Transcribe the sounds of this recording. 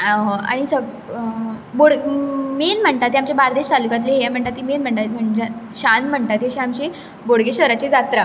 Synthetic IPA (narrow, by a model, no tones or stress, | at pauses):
aɦa̰ɽ̃isəɡ | boɽɡmenm̤əɳt̪at̪ːiamt͡ɕebaɾd̪eɕt̪alukat̪leɦjam̤əɳt̪at̪ːimenm̤əɳt̪at̪m̤əɳd͡ʑeɕanm̤əɳt̪at̪jeɕeamɕe | boɽɡeɕʋəɾat͡ɕed͡zat̪ɾa